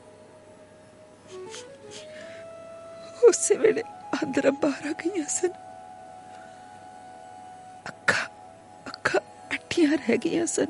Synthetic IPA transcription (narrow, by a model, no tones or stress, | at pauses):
oːseʋeɽeãːnd̪ɾɐmbaːɾaɡɐjãːsɐn | ɐkʰːa | ɐkʰːa | ɐʈʰːijãːɾɦɛɡəjãːsɐn